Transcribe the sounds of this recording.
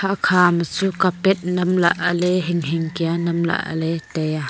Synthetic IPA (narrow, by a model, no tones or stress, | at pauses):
aʔkʰaːmat͡sukapɛt̪̚nɐmla̰ʔalɛɦɪŋɦɪŋkianɐmla̰ʔa̰lɛtɛja